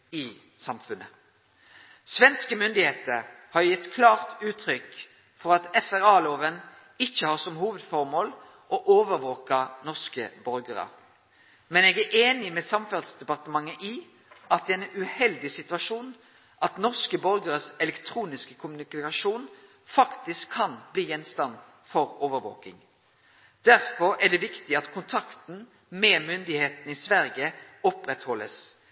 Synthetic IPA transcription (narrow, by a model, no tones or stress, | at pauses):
ɪ | sɑmfʉnə̰ | sʋɛnskəmʏnd̪ɪheːt̪əɾhɑʁjɛt̪ːkʰlɑːʁt̪ʉːt̪ʰʁʏk | fɔɾɑt̪ɛfæʁɑːloːʋən | ɪçːəhɑːʁsɔmhuːʋəd̪fɔʁmoːl | ʔɔʔoːʋəɾʋoːkɑnɔʁskə̰bɔɾɡəʁə̰ | mɛneːɡæʔeːnɪmɛːsɑmfɑlsd̪ɛpɑʁt̪əmɑŋːəʔɪ | ʔɑt̪̚d̪ɛːɛnʉhɛld̪ɪsɪt̪ʉɑʃuːn | ʔɑt̪nɔʁskəbɔɾɡəɾəsɛlɛkt̪ʰɾuːnɪskəkʰʊmʉnɪkɑʃuːn | fɑkt̪ɪskʰːɑnbliːjɛnst̪ɑn | fɔɾoʋəɾʋo̰ːkɪ̰ŋ | d̪̥æʁfɔɾæd̪ɛʋɪkt̪ɪɑt̪kʰʊnt̪ʰɑkt̪n̩ | mɛːmʏnd̪ɪheːt̪n̩isʋæɾɡəɔpɾɛt̪hɔlːə̰s